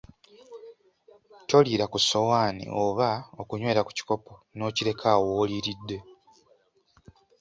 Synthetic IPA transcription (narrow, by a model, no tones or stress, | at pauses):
to̞liːɾakuso̞waːnḭʔoβaokuɲwe̞ːɾaku̥ci̥ko̞po̞no̞ːciɾe̞kʰawoːliɾidːe̞